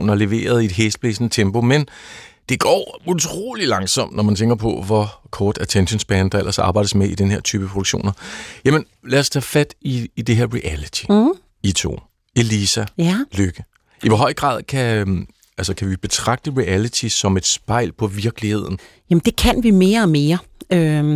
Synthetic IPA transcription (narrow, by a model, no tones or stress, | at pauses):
nɐle̝ʋe̝̰ːɐð̞̩ˠie̝d̥ɦesd̥̚b̥esnət͡sʰemb̥o̝mend̥e̝ɡ̥ɒ̰ːut͡sʰʁo̝̰ːli̥lɑ̈ŋsɒ̽m̰d̥nɒmænt͡sʰeŋɡ̥ɐpʰɒ̽ʋɒkʰɒːd̥æt͡sʰenɕənsb̥ænd̥ɑ̈elɐsɑ̈ːbɑ̈ɪ̰dəsmeid̥enəhe̝ɐ̰t͡sʰyːb̥əpʰʁod̥uɡ̥ɕo̝̰ːnɐjæmən | læːɐst͡sʰɛːfæd̥iːd̥e̝ɦeɐ̰ʁiʔælit͡sʰi̥ | it͡sʰo̝̰ː | e̝lisæløɡ̥ə | iʋɒɦɒ̽ɪ̰ɡ̥ʁɑ̰̈ːð̰ˠkʰæ | ælsɐkʰæʋib̥e̝t͡sʰʁɑ̈ɡ̥̚d̥əʁiælit͡sʰisɒ̽me̝d̥sb̥ɑ̈ɪ̰lpʰɒ̽ʋiɐɡ̥əlihe̝ð̞̰ˠn̩ | jæmnd̥e̝kʰænʋime̝ːɐɒme̝ːɐ | ø